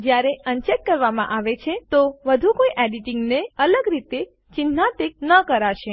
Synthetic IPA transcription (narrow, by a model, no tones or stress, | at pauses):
d͡ʒjaɾeənt͡ʃet̚kəɾʋamã̰ʔaʋet͡ʃʰet̪oʋəd̪ʱukoiʔɛɖiʈiŋɡneələɡɾit̪e | t͡ʃɪnat̪ek̚nəkəɾaʃe